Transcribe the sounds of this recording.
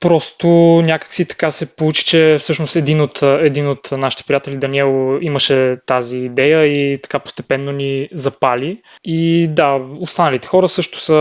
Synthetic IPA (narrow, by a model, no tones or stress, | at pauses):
pɾɔst̪onʲakə̥ksit̪ɐ̥kasɛpout͡ʃi̥t͡ʃɛfsɤʃnost̪ɛd̪inot̪ɛd̪inot̪naʃit̪ɛ̥pɾijat̪ɛlid̪ɐniɛlˠiməʃɛt̪aziːd̪ɛjəit̪ɐ̥kapo̥st̪ɛpɛnːonizɐpaliid̪aost̪anəlit̪ɛ̥xɔɾəsɤʃt̪ʊ̥sə